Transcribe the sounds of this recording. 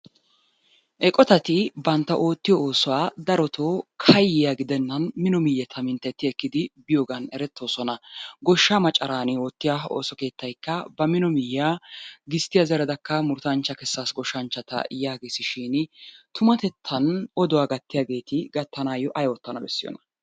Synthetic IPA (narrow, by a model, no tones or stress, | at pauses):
ʔɛkʼɔt̪ɐt̪ɪbɐnt̪ːɐʔo̞ːt̪ːɪjɔoːsɔwaːd̪ɐɾɔt̪ʰoːkʰɐjːɪjaɡɪd̪ɛnːɐnmɪnɔmɪjːɛt̪ʰɐmɪnt̪ːɛt̪ːɪɛkːɪd̪ɪbɪjoːɡɐnɛɾɛt̪ːo̞ːsɔnɐɡɔʃːamɐt͡ʃʼːɐɾaːnɪoːt̪ːɪjao̰ːsɔke̞ːt̪ːɐjkːɐbɐmɪnɔmɪjːaːɡɪst̪ːɪjɐzɛɾɛd̪ɐkːɐmʊɾt̪ɐnt͡ʃːɐkɛsːaːsɡɔʃːɐnt͡ʃːɐt̪ɐ̰jaːɡe̞ːsɪʃɪnt̪ʊmɐt̪ɛt̪ʰːɐnɔd̪ɔwaːɡɐt̪ːɪjaːɡe̞ːt̪ɪɡɐt̪ːɐnaːjɔʔɐjɔt̪ːɐnɐbɛ̰sːɪjɔ̰nɐ̥